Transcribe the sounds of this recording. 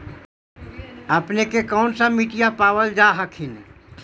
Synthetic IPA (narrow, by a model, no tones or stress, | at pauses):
ɐpnekekɔːnsamiʈijapaːʋəld͡ʒaɦɐkʰɪn